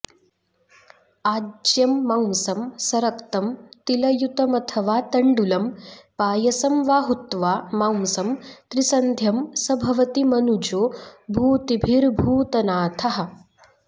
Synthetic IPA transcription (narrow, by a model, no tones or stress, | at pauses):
aːd͡ʒjɐmːawmsɐmsɐɾɐkt̪ɐmt̪ilɐjut̪ɐmɐt̪ʰɐʋaːt̪ɐɳɖulɐmpaːjɐsɐmʋaːɦut̪ʋaːmaw̃sɐmt̪ɾisɐnd̪ʱjɐmsɐbʱɐʋɐt̪imɐnud͡ʒoːbʱuːt̪ibʱiɾbʱuːt̪ɐnaːt̪ʰɐɦɐ̆